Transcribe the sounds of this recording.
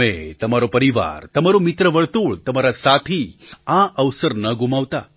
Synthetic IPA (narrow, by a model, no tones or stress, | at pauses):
et̪ɐmaɾopəɾiʋa̰ɾt̪ɐmaɾomit̪ɾəʋəɭt̪uːɭt̪ɐmaɾasat̪ʰiãʔəʋsəɾnəɡumaʋt̪a̰